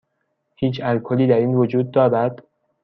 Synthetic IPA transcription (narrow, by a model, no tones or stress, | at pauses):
hiːt͡ʃʰælkʰoliːd̪æɾiːnvod͡ʒuːd̪̚ːɒːɾæd̪̥